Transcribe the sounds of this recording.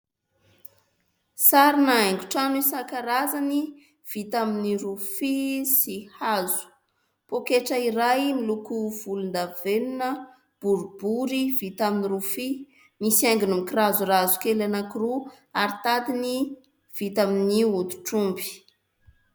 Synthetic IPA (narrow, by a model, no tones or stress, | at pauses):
saɾinaeŋɡuʈ͡ʂanuisakaɾazani | v̥it̪aminiɾufisihazu̥ | pokeʈ͡ʂəiɾajmilukuv̥ulund̪avenunə | b̥uɾubuɾivit̪aminiɾufi | misaŋɡunumikirazurazu̥kelanakiɾu | aɾit̪ad̪ini | v̥it̪aminiut̪u̥ʈ͡ʂumbi̥